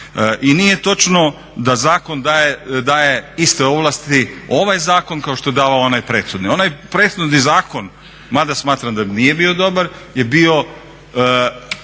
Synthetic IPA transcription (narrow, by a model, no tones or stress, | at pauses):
ʔinije̞t̪o̞t͡ʃno̞ | d̪azaːko̞nd̪ajed̪aːje̞ist̪eo̞ʋlˠast̪io̞ʋajzaːko̞nkao̞ʃt̪oed̪aːʋaoonajpɾeːt̪xud̪nio̞najpɾe̞t̪xud̪nizaːko̞n | mad̪asmaːt̪ɾamd̪anije̞bio̞d̪o̞baɾje̞bio̞